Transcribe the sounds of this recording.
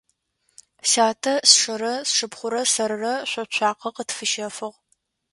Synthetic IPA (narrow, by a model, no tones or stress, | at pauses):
saːtʰɐsʂɐɾɐsʂɨpχʷʊɾɐsɐɾɨrɐɕʷɔt͡ʃʷʰɑːqɐqətfɨʃɐfɨʁ